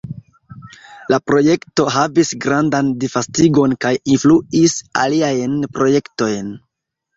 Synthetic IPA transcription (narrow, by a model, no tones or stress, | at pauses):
lapɾo̞je̞kto̞ɦavisɡɾandandifastiɡo̞nkajinfluisa̰liajnpɾo̞je̞kto̞jn